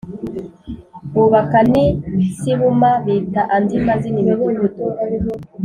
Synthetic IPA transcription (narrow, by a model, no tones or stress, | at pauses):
βuβakanisiβumaβitaʔandimaziniβeβuɲutu